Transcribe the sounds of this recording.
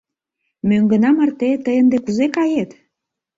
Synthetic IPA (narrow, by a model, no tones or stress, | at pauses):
møŋɡə̆nɑmərt̪et̪əjənd̪ekuzekɑjet̪